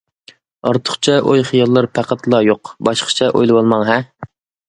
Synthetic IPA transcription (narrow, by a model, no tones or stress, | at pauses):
ɑɾt̪ʰʊ̥χt͡ʃʰɛʔojχijɑlˠːɑɾpʰæqʰæt̪lˠɑjoqbɑʃqʰə̥t͡ʃʰɛʔo̰jlˠɨwɑlˠmɑŋɦɛ